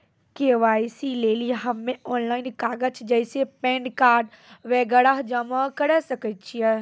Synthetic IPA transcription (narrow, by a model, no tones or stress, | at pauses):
keʋaːisileːliɦɐmːẽɔːnlaːɪnkaːɡət͡ʃd͡ʒəɪsepẽːɳɖkaːɾɖ | ʋeːɡəɽaɦd͡ʒəmakəɽɛsəkət͡ʃʰiɛ